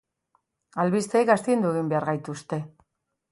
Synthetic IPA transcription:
alβist̪eikast̪iind̪ueɣ̞imbe̞aɾɣajt̪ust̪e̞

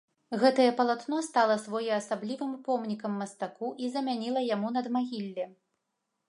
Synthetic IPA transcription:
ɣɛt̪ɐjɛpɐlˠat̪nɔst̪alˠɐsvɔjɛɐsablʲivɨmpɔmnʲikɐmːɐst̪akuʔizɐmʲanʲilˠɐjamunɐd̪maɣʲilʲːɛ

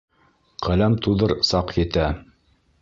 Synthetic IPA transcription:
qælæmt̪uðɤɾsɑqjɘ̆t̪æ

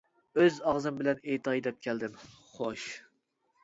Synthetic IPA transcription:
øzɑʁzɨmbɪlɛnet̪ʰɑjd̪ɛp̚kʲʰæld̪ɪmχoʃ

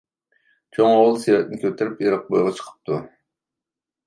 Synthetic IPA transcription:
t͡ʃʰoŋowlˠsijɑɛt̪ɪnɪkʲʰøt̪ʰɪɾɪpjeɾɑq̚bojʁɑt͡ʃʰə̥qʰə̥p̚t̪ʰu

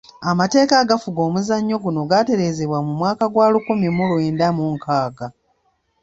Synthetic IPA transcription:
amate̞ːkaɡafuɡo̞ːmuzaɲːo̞ɡuno̞ɡate̞ɾe̞ːze̞βwamumwaːkaɡwaːlukumimulweːndamuŋkaːɡa

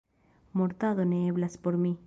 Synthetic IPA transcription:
moɾt̪aðoneːβlaspoɾmi

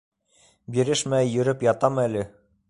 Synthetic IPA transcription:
biɾɘʃmæjɵ̆ɾɘpjɑt̪ɑmælɘ

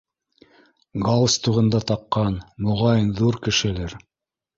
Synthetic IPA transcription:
ɡɑlˠst̪uʁɤ̆nd̪ɑt̪ɑqːɑnmoʁɑjɤnðuɾkɘ̆ʃɘ̆læɾ

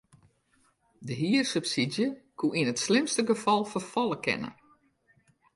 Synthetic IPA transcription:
dəɦiːərsøpsidjəkʰuʔinətslɪmstəɡəfɑlˠfərfɔlˠəkʰɪ̰nə̰

